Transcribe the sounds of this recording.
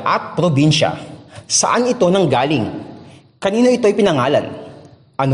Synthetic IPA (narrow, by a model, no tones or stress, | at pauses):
ʔɐt̪̚pɾobinʃɐ̰sɐ̰ʔanɪt̪o̞nɐŋɡaːlɪŋ | kɐniːno̞ʔɪt̪o̞jpɪnɐŋaːlɐ̰n | ʔɐn